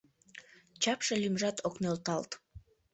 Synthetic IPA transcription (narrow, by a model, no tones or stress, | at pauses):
t͡ʃʰapʃalʲimʒat̪ʰoknolˠt̪ɑlˠt̪